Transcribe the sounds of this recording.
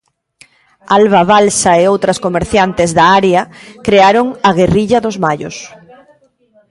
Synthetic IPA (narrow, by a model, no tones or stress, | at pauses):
alβaβalsaeowt̪ɾɐskomeɾθjant̪ezðaaɾjakɾeaɾoŋaɣ̞eriʎaðozmaʎo̰s